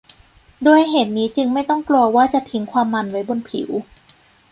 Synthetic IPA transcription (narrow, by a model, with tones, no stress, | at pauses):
doː˧jɦeː˨˩t̪̚niː˦˥t͡ɕɯ˧ŋma˥˩jt̪ɔ˥˩ŋklu˧ɐwaː˥˩t͡ɕa˨˩t̪ʰi˨˦ŋkʰwaː˧mːa˧nwa˦˥jbo˧npʰḭ˨˩˦w